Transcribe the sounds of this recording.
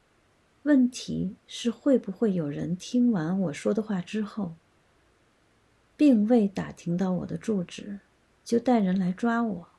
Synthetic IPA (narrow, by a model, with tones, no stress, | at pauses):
wə˥˩nt̪ʰḭ˧˥ʂɻ̩˥˧xwe˥˩˧ɪbu˧˩xwe˥˩ɪjo˨˩ʊɻə̰˧˥nt̪ʰi˥ŋwa˧˥nwɔ˨˩ʂwɔ˥d̪ə˨xwa˥˩ʈ͡ʂɻ̩˥xo˥˩ʊ | pi˥˧ŋwe˥˩ɪt̪a̰˨˩t̪ʰi˧˥ŋt̪ɑ˥˩ʊwɔ̰˨˩d̪ə˦ʈ͡ʂu˥˩ʈ͡ʂɻ̩˨˩˦ | t͡ɕjo˥˧ʊt̪a˥˩ɪɻə˧˥nla˧˥ɪʈ͡ʂwa˥wɔ˨˩˦